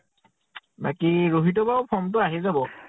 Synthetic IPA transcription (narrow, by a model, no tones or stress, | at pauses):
bakiɹoɦitɔbaʊpʰɔmt̬ʊaɦizabɔ